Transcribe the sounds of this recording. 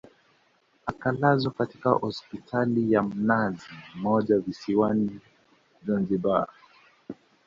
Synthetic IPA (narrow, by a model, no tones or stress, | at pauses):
akalazɔkati̥kahɔspitʰalijam̩nazimɔʄavisiwani | zanziba